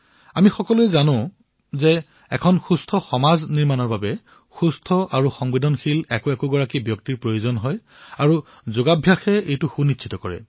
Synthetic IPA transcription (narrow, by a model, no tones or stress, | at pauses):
amixɔkɔluɛzanʊ̃ | zɛ | ɛkʰɔnxustʰɔxɔmazniɹmanɔɹbabɛ | xustʰɔʔaɹuxɔŋbidʱɔnxilɛkoɛkoɡɔɹakibjɔk̚tiɹpɹojozɔnɦɔj | aɹu | zoɡabʱjaxɛejtʊxunitsʰitɔkɔɹɛ̰